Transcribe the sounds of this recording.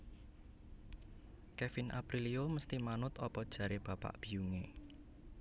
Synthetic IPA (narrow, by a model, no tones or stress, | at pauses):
kefinʔa̰pɾilioməst̪imanʊt̪ɔpɔd̥ʒ̥ä̤ɾeb̥ä̤pa̰ʔb̥i̤juŋe